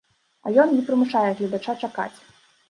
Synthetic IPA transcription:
ɐ̰jɔnnʲɛpɾɨmuʂajɛɣlʲɐd̪at͡ʂat͡ʂaka̰t͡sʲ

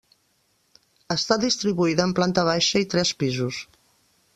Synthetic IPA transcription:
əst̪aðist̪ɾiβuiðəːmplant̪əβ̞ajʃəit̪ɾɛspizus

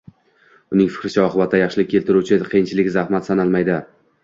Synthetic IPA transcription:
ʊnɪŋfɪ̥kʲɾɪt͡ʃʰaɒqʰɨbat̪ʰːajɑχʃɪlɪk̚ʲʰːe̞lt̪ɪɾut͡ʃʰɪqʰejɪnt͡ʃʰɪlɪkʲzahmat̪sanalˠmajd̪ɪ

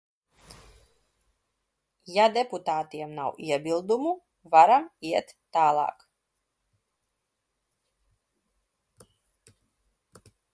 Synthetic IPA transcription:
jad̪ɛput̪aːt̪iɛmna̰wʔiɛbilˠd̪umu | vaɾamiɛt̪ːaːlˠɑ̰ːk

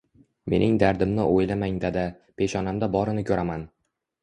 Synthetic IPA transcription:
me̞nɪŋd̪aɾd̪ɪmnɪʔojlamaŋd̪ad̪a | pʰe̞ʃɒnamd̪abɒɾɪnɪkʲʰɵɾaman

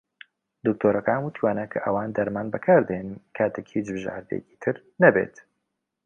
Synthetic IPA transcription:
d̪ɨk̚t̪ʰoːɾɐkaːmuːt̪ʰiwaːnɐkʰɐʔɐwaːnd̪ɐɾmaːnbɐkʰaːɾd̪ɐjenɨnkʰaːt̪ʰekhit͡ʃbɨʒa̰ːɾd̪ḛjɛ̰ci̥t̪ʰɨɾ | nɐbḛːt̪

